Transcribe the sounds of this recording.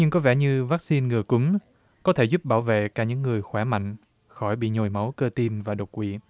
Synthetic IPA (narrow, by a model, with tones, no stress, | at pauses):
ɲɨ˧ŋkɔ˨˦vɛ˧˩ɲɨ˧vaː˦˥k̚si˧nŋɨ˨˩əkʊ˨˦ŋ͡m | kɔ˨˦t̪ʰe˧˩zu˦˥p̚ɓaː˧˩wvḛ˧˨kaː˧˩ɲɨ̰˧˥ŋːɨ˨˩əjxwaː˧˩ma̰˧˨jŋ̟ | xɔ˧˩jɓḭ˧˨ɲo˨˩jma˨˦wkəː˧t̪i˧mvaː˨˩ɗo˨˩t̚kwḭ˧˨